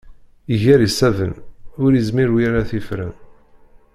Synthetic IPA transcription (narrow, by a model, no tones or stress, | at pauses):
iʝæɾisævənʊɾizmiɾwijaɾaθifɾə̰n